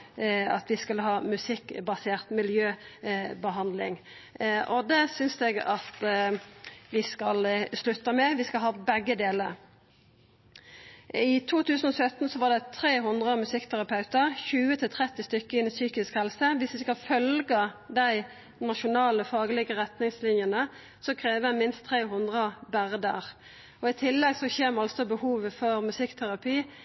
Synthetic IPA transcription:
ɑ̰t̪ʋɪskʉlːəɦɑːmʉsɪkːbɑseːʁt̪mɪljøːbəɦɑnd̪lɪ̰ŋ | ʔɔd̪ɛsʏnsd̪ɛɡɑt̪ | ʋɪskɑlslʉt̪ːəmɛʋɪskɑlɦɑːbɛɡːəd̪eːləɾ | ɪt̪ʰuːt̪ʰʉːsən̩ɔsœt̪n̩sɔʋɑʁd̪ɛt̪ʰɾeːɦʊnd̪ʁəmʉsɪkt̪ʰæʁɑpʰɑʉt̪əʁçʉːət̪ʰɪlt̪ʰʁɛt̪ːɪst̪ʏkːəɪnsyːkɪskhɛlsəʋɪsʋɪskɑlfœlɡəd̪æɪ | nɑʃʊnɑːləfɑːɡəlɪɡəʁɛt̪nɪŋslɪnjənə | sɔkʰʁeːʋəmɪnst̪ʰːʁeːɦʊnd̪ʁəbæʁd̪ə̰ʁ | ɔɪt̪ʰɪlːɛɡsɔçeːmɑlsɔbəhuːʋəfɔʁmʉsɪkt̪ʰæʁɑpʰiː

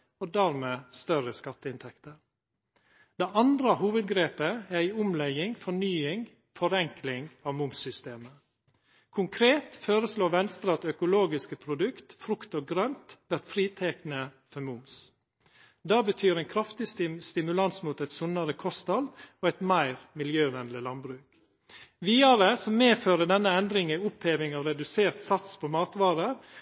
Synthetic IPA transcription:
oːd̪æːɾmeːst̪œɾəskɑt̪ːəɪnt̪ʰɛkt̪əɾ | d̪̥ɛʔɑnd̪ɾəhuːʋəd̪ɡɾeːpəæɾæɪʊmlɛɡɪŋfɔɳyːɪŋ | fɔɾɛŋklɪŋɑːʋmʊmsʏst̪eːmə | kʰʊŋkʰɾeːt̪føːɾəsloːʋɛnst̪ɾɑt̪œkʊloːɡɪskəpʰɾʊd̪ʉkt̪fɾʉkt̪oːɡɾœnt̪ʋæʈfɾiːt̪ʰɛknəfɔɾmʊms | d̪ɑːbət̪ʰyːɾɛɪnkʰɾɑft̪ɪsɪst̪ɪmʉlɑnsmuːt̪ɛɪt̪sʊnːɑɾəkʰɔst̪ɑloːɛt̪mæɪɾmɪljøːʋɛnlɪlɑnbɾʉːk | ʋiːɑɾəsɔmmeːføːɾəɖ̪ɛnːəɛnd̪ɾɪŋæʊpheːʋɪŋɑːʋɾɛd̪ʉseːɾt̪sɑt̪spʰɔmɑːt̪ʋɑːɾəɾ

